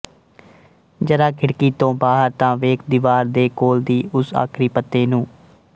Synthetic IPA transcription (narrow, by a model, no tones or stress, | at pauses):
d͡ʒəɾaːkʰɪɽkiːt̪õːbaːɦəɾt̪ãːʋeːk̚ʰd̪ɪːʋaːɾd̪eːkoːld̪iːʔʊsa̰ːkʰɾiːpət̪ːeːnũː